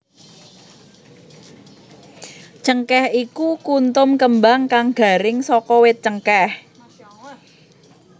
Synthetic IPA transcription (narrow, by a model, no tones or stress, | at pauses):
t͡ʃəŋkɛhikukunt̪ʊmkəmbaŋkaŋɡ̥a̤ɾɪŋsɔkɔwɪt̪̚t͡ʃəŋkɛh